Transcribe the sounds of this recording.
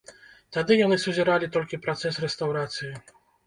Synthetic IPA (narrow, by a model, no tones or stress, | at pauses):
t̪ad̪ɘjɔnɘsud͡ʑɛɾalʲit̪ɔlʲkʲipɾɔt̪sɛsɾɛst̪awɾat̪sʲji